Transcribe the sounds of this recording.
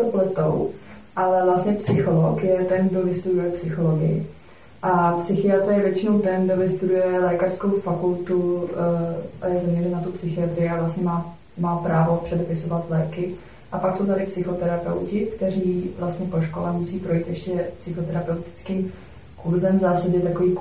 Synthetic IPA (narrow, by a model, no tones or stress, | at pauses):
oplɛt̪ow | ʔalɛvlast̪ɲɛpsɪxo̞lokjɛt̪ɛnɡdo̞vɪst̪udujɛpsɪxo̞loɡɪ̰jɪ̰ | ʔapsɪxɪat̪ɾajɛvjɛt͡ʃɪnowt̪ɛnɡdo̞vɪst̪udujɛlɛːkar̥skowfakult̪u | jɛzamɲɛɾɛmnat̪upsɪxɪat̪ɾɪjɪavlast̪ɲɛmaː | maːpɾaːvo̞pr̥ɛdɛpɪso̞vat̪lɛːkɪ | ʔapakso̞wt̪adɪpsɪxo̞t̪ɛɾapɛ̰wcɪkt̪ɛɾiːvlast̪ɲɛpo̞ʃkolɛmusiːpɾo̞jiːt̪jɛʃcɛpsɪxo̞t̪ɛɾapɛwt̪ɪ̥t͡skiːm | kuɾzɛmzaːsaɟɛt̪akoviːk